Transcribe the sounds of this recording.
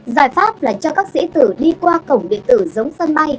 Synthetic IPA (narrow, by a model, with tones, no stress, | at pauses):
zaː˧˩jfaː˦˥p̚laː˨˩t͡ɕɔ˧kaː˦˥k̚sḭ˧˥t̪ɨ˧˩ɗi˧kwaː˧kə˧˩wŋ͡mɗḭ˧˨ənt̪ɨ˧˩zə˨˦wŋ͡msə˧nɓa˧j